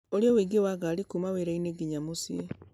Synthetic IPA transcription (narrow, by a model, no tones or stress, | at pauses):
olijowiːɡewaɡaːlikumaweɾaineɡiɲamosie